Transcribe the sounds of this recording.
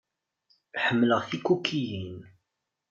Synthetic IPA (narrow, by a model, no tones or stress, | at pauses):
ħəmːləʁθikːukʰːijin